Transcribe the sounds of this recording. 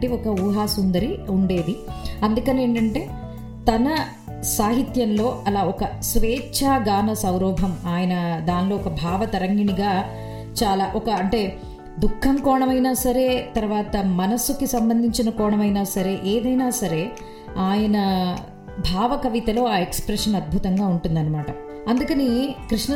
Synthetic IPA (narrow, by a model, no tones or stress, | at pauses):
ʈiɔkɐuːɦaːsund̪ɐɾiuɳɖe̞ːd̪iɐnd̪ukɐne̞ːɳʈɐɳʈe̞ː | t̪ɐnɐ | saːɦit̪jɐnlo̞ːɐlaːɔkɐsʋɛːt͡ʃʰaːɡaːnɐsɐwɾɔːbʱɐmaːjɐnɐd̪aːnlo̞ːɔkɐbʱaːʋɐt̪ɐɾɐŋɡiniɡaː | t͡ʃaːlaːʔɔkɐɐɳʈe̞ː | d̪ukʰːɐmkɔːɳɐmɐjnaːsɐɾe̞ːt̪ɐɾuʋaːt̪ɐmɐnɐsukisɐmbɐnd̪ʱiɲt͡ʃinɐkɔːɳɐmɐjnaːsɐɾe̞ːʔeːd̪ɐjnaːsɐɾe̞ː | aːjɐnɐ | bʱaːʋɐkɐʋit̪ɐlo̞ːaːekspɾɛʂɐnɐd̪̚bʱut̪ɐŋɡaːuɳʈund̪ɐnːɐmaːʈɐ | ɐnd̪ukɐnikɾiʂnɐ